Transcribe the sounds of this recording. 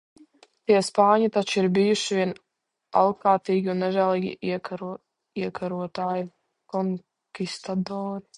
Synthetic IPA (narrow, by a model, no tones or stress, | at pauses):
t̪iɛspaːɲit̪at͡ʃiɾbijuʃiviɛn | a̰lˠkaːt̪iːɡʲiunːɛʒæːlˠiːɡʲiiɛɾ | iɛkaɾuɔt̪aːji | kɔŋ | kʲist̪ad̪ɔːɾi